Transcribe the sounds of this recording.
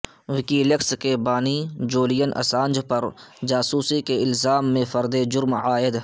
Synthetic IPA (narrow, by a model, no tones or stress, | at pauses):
ʋɪkilekskebaːnid͡ʒoːlɪjənʔɐ̰sãːnd͡ʒpɐɾd͡ʒaːsuːsikeɪlzaːmːẽfɐɾd̪ed͡ʒʊɾmaːɪd̪